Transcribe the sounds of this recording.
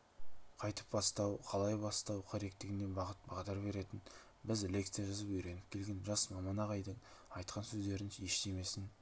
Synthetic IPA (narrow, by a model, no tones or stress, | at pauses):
qʰɑjt̪ə̥p̚bɑst̪ɑwqʰɑlˠɑjbɑst̪ɑwqʰɑɾe̞k̚t̪ɪɡʲɪne̞bɑʁət̪̚bɑʁd̪ɑɾbe̞ɾe̞t̪ɪn | bɪzlʲe̞kt̪sɨjaʒɑzəpʏjɾe̞nɪp̚kʲʰe̞lɡʲe̞nʒɑsmɑmɑnɑʁɑjd̪ənɑjt̪̚qɑnsɵzd̪e̞ɾɪneʃt̪eme̞sɪn